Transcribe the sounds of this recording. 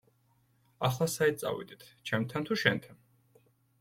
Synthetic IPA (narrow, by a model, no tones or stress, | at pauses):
aχlˠasait̪̚tsʼa̰wḭd̪it̪ʰt͡ʃʰɛmt̪ʰant̪ʰuʃɛnt̪ʰan